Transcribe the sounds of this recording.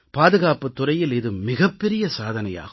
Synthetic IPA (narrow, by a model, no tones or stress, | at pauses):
paːðɯɣaːpɯt̪ːʊɾɐjɪlɪðɯmɪɣɐpːɛɾɪjɐsaːðɐnɐja̰ːɣɯ